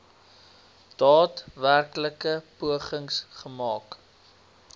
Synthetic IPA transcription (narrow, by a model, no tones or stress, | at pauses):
d̥ɑːtværkləkəpuəχəŋsχəmɑːk